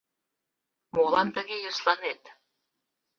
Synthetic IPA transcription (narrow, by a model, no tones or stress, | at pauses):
molɑnt̪ə̆ɣejəslɑnet̪